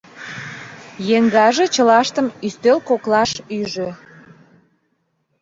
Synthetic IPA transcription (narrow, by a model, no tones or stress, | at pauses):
jeŋɡɑʒet͡ɕəlɑʃt̪əmyst̪ølkoklɑʃyʒø